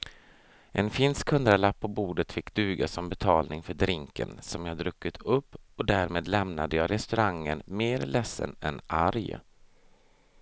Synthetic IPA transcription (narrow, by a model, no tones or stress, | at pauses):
ʔɛnfɪnskʰɵnd̪ɾaɭapʰːɔbuːd̪ət̪fɪkːd̪ʉ̟ːɡasɔmbɛt̪ʰɑːlnɪŋfœɖɾɪŋkə̰nsɔmjɑd̪ɾɵkːət̪ʰɵpːɔd̪æːɾmeːd̪lɛmnad̪əjɑːɾɛst̪ɵɾaŋːənmeːɾlɛsːə̰nɛnʔaɾj̰